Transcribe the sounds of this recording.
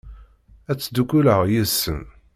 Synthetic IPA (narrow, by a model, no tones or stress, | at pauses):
æt͡sːd̪ukːuləʁjəsːə̰m